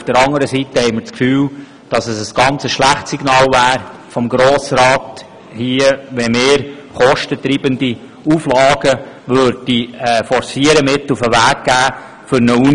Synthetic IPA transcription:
ufd̥əɾɑŋəɾəsitəhɛɪməɾt͡skfyːl | d̥ɑsəsəsɡ̥ɑnt͡səsʃlæχtsiɡnɑːlvæːɾfɔmɡɾoːsɾɑːt | hiəʋɛmeːɾχɔʃtətɾiːbəndi | uːflɑːɡ̥ə | ʋøɾdiɛfɔɾsiəɾəmɪtːufəʋæːɡ̚ɡ̥æː | fʏɾnəu

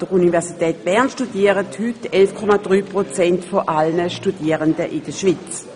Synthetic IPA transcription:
d̥əʁunivɛʁsitɛːt̚b̥ɛɐnʃtudiːəʁəthytɛlfkʰɔmad̥ʁyːpʁot͡sɛntfoʔalnəʃtudiəʁəndəʔɪd̥əʃvit͡s

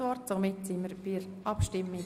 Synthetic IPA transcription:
ʋɔɾtsomɪtsiməɾbiəɾ | ɑpʃtɪmːɪ

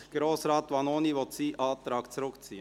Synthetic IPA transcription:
ɡ̥ɾoːsɾɑːt̪ʋɑːnoːniʋɔt̪siːʔɑːt̪ɾɑːɡ̥t͡sɾʊkt͡siːə

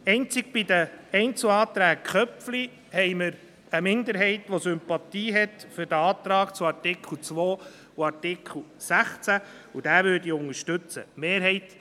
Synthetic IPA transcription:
ɛɪnt͡sɪɡ̚b̥idəɛɪnt͡sl̩ɑːt̪ɾæːkkχœpfli | hɛɪməɾ | əmɪnd̪əɾɦɛɪt̪ʋosʏmpɑt̪iːɦɛt̪fʏɾdəɑːt̪ɾɑːkt͡suɑɾtɪkʰl̩t͡sʋoː | uɑɾtɪkʰχl̩ˠsæχt͡sæ | ud̥æːʋøːɾdiʊŋəʃtɵt͡sə̰meːɾɦɛɪt

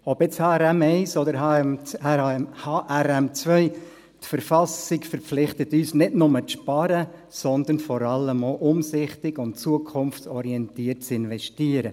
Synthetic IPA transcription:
ɔbɪt͡shɑɛɾɛmɛɪsɔd̪əɾɦ | hɑːʔɛɾɛmt͡sʋœʏ | tfəɾfɑsɪkfəɾpflɪχtətyːsnɪdnʊmət͡sʃpɑɾə | sɔnd̪ənfɔɾɑləmoʔʊmsɪχtɪɡʊntt͡suəkʰʊmft͡sɔɾiɛntiːərt̚t͡sɪnʋɛʃtiəɾə

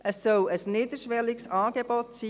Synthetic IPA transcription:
əsːœləsniːd̪əʃʋɛlɪksɑːɡ̥eb̥ɔt̪siː

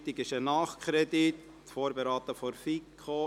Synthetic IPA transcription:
t̪ɪkɪʃənɑːχkʰɾɛd̪it̪ | foːɾbeɾɑːt̪əfɔɾfikʰχo

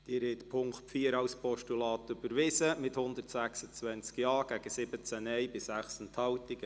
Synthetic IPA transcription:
d̥ɪːɾɛt̪pʰʊŋkχfiːəɾɑwspʰɔʃtulɑːt̪ʏb̥əɾʋɪsəmɪthʊnd̪ərtsæχsət͡sʋɛnt͡skjɑːɡ̥æɡ̥əsɪb̥ət͡sænɛjbɪsæχsənt̪ʰhɑwtɪɡ̥ə

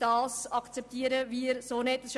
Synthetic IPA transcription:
d̥ɑːsɑkt͡sɛp̚t̪iːəɾəʋiɪɾsoːnetəsʃ

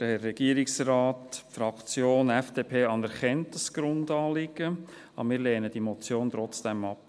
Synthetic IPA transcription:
d̥əɛːɛɡ̥iːəɾɪksrɑːtfɾɑkt͡sjoːnɛfd̥eːpʰeːɑnɛɾχɛntəsɡ̥ɾʊndɑːlɪɡ̥ə | ɑ̰mɪːɾlɛːnəd̥imɔt͡sjoːnt̪ɾɔt͡sd̥ɛmɑp

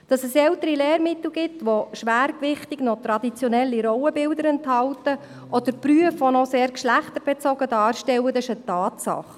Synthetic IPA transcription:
d̥ɑsɛsɛlt̪əɾileːɾmɪt̪l̩ɡɪtʋoʃʋæːɾkʋɪχt̪iɡnɔt̪ɾɑd̥̪it͡sjɔnɛlːiɾɔwəbɪld̪əɾɛnthɑltə | ʔɔd̥̪əɾpryəfʋɔnɔseːɾkʃlæχt̪əɾb̥ɛt͡sɔɡ̥ədɑːɾʃtɛwəd̪ɪʃətɑːt̪sɑ̰χ

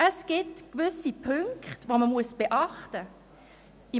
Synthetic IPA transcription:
ʔəsɡ̥ɪtkvʏsipʰʏŋkχtʋoməmuəsb̥eʔɑχtə | i

